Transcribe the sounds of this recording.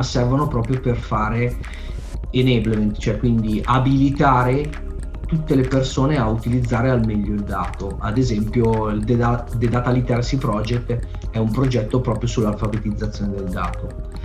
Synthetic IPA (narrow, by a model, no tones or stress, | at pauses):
sɛrvonopɾɔːpɾjoperfaːɾe | enɛblment̪t͡ʃoɛkːwind̪iʔabilit̪aːɾe | t̪ut̪ːelepersoːneaut̪ilid̪zːaːɾealmeʎːoild̪aːt̪oad̪ezɛmpjoild̪ead̪ed̪at̪alit̪ɛɾasipɾɔd͡ʒekt̪ː | ɛumpɾod͡ʒɛt̪ːopɾɔːpɾjosulːalfabet̪id̪zːat̪sjoːned̪eld̪a̰ːt̪o